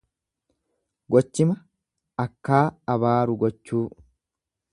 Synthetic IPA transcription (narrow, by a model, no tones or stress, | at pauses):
ɡɔt͡ʃːɪmɐ | ɐkːaːɐbaːɾʊɡɔt͡ʃːuː